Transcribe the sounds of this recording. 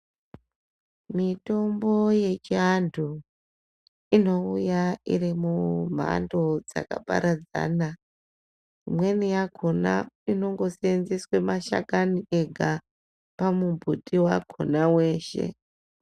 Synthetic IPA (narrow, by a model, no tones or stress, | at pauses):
mito̞mbo̞je̞t͡ʃiandʱu | ino̞ujaḭrimum̤ʱa̰ndo̞d͡za̰ka̰pa̰ɾad͡za̰ːna | imwe̞nijaɡʱona̰ino̞ŋɡo̞senziswe̞maʃa̰kanie̞ɡʱa | pamubʱutʼiwaɡʱo̰nawe̞ːʃe̞̰